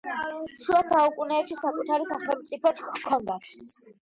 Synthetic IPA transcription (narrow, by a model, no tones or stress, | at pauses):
ʃulasaukʼunɛːpʃisakʼut̪ʰaɾisaχɛlˠmt̪sʼipʰɔt̪ʰkʰːɔnd̪asʰ